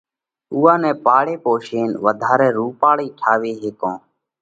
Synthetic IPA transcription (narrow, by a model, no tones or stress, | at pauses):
uːãːnɛ̃ːpaːɽeːpoːʃeːnʋəd̪ʱaːɾɛ̃ːɾuːpaːɭiːʈʰaːʋeːɦeːkõː